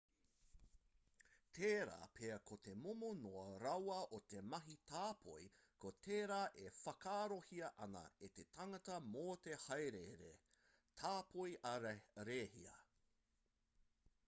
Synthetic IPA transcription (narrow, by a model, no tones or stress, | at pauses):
t̪ʰeːɾa̰ːpʰeɐkʰot̪e̞momonoɐɾɐwɐʔot̪e̞mɐɦitʰaːpʰo̰j | kʰot̪ʰeːɾaːʔefɐkaːɾohiɐʔɐnɐ̰et̪etʰɐŋɐtɐmoːt̪ehɐjɾeɾḛ | tʰaːpojʔɐɾeːhḭɐ̰